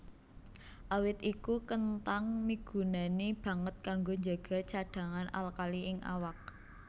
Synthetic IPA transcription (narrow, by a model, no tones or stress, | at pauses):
ʔawɪt̪ikukənt̪aŋmiɡ̥ṳnanib̥ä̤ŋət̪̚kaŋɡoɲd͡ʒaɡ̥a̤t͡ʃaɖ̥ä̤ŋana̰lkaliʔɪŋa̰wak̚